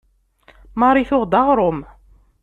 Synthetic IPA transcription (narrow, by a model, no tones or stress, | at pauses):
mɑɾˤiθʊʁd̪ɑʁɾʊm